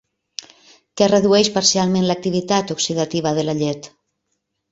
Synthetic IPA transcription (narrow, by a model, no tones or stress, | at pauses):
kɛreðuɛʃpaɾsialˠmẽnlak̚t̪iβ̞it̪at̪oksiðat̪iβ̞aðelaʎet̪